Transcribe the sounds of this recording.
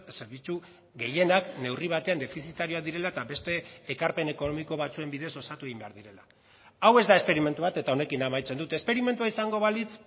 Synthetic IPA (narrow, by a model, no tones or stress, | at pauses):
se̞ɾβ̞it͡su | ɣe̞je̞nakne̞wriβ̞at̪e̞and̪e̞fisit̪aɾio̞aðiɾe̞laet̪aβe̞st̪e̞ːkaɾpe̞ne̞ko̞no̞miko̞β̞at͡sue̞mbiðe̞so̞sat̪ueɣimbe̞a̰ɾðiɾe̞la | awe̞zd̪ae̞spe̞ɾime̞nt̪uβat̪e̞t̪ao̞ne̞kinamajt͡se̞nd̪ut̪e̞spe̞ɾime̞nt̪uaisaŋɡo̞β̞alit͡s